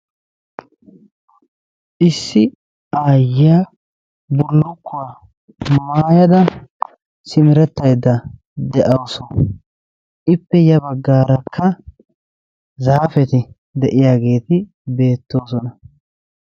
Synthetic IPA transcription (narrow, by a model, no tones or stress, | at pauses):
ʔɪsːɪ | aːjaː | bʊlːʊkːʊwa | maːjɐd̪ɐ | sɪmɪɾɛt̪ːɐjd̪ːɐ | d̪ɛʔɐwsɔ | ʔɪpːɛjɐbɐɡːaːɾɐkʰːɐ | zaːfɛt̪ɪ | d̪ɛʔɪjaːɡe̞ːt̪ɪ | be̞ːt̪ːoːsɔnɐ